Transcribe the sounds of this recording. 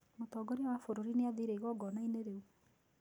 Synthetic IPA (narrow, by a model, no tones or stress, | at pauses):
motɔːɡɔɾiwafoɾoɾineaðiɾeiɣɔɡɔnaineɾeu